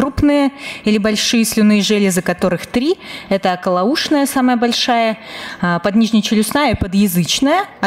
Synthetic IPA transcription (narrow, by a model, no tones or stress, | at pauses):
ɾupnɨjəilʲɪbɐlʲʂɨjəsʲlʲʊnɨjəʐɛlʲɪzɨkɐt̪o̞ɾɨxt̪ɾʲiɛt̪əɐkəlˠɐuʂnəjəsaməjəbɐlʲʂajəpɐd̪nʲiʐnʲɪjt͡ɕɪlʲʊsnajəpəd̪jɪzɨt͡ɕnəjəɐ